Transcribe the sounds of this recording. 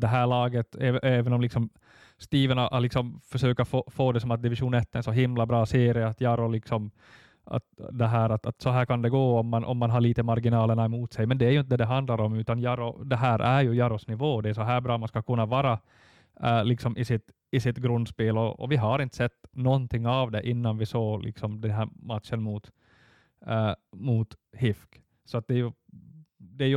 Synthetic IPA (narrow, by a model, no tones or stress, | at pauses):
d̪ɛɦæːɭɑːɡət̪ɛːɛːvɛnɔmlɪksɔm | st̪iːvənaʔlɪksɔmfœʂøːkaɾfoːfoːd̪ɛsɔmat̪̚d̪ɪvɪʂuːnɛt̪ːɛnsɔɦɪmlabɾɑːseːɾɪəat̪jɑːɾɔlɪksɔm | a̰t̪d̪ɛɦæːɾat̪a̰t̪sɔɦæːɾkʰand̪ɛɡoːɔmːanʔɔ̰mːanɦaɭiːt̪əmaɾɡɪnɑːləɳaɛmuːt̪sɛjmɛnd̪ɛæjɵɪnt̪əd̪ɛd̪ɛɦand̪laɾɔmʉ̟ːt̪anjɑɾɔd̪ɛɦæːɾʔæɾjɵjɑɾɔsnɪvoːd̪ɛæsɔɦæːbɾɑːmanskɑkʰɵnːavɑːɾɑ | lɪksɔmʔɪsɪt̪ | ɪsɪt̪ɡɾɵnd̪speːlɔɔ̰vɪɦɑɾɪnt̪ə̥sɛt̪ːnɔnt̪ʰɪŋːɑvd̪ɛʔɪnːanʋɪsoːlʔɪ̰ksɔmd̪ɛnɦæːɾmat̪ʃənmuːt̪ | muːt̪hɪfk | sɔat̪̚d̪ɛjɵ | d̪ɛæj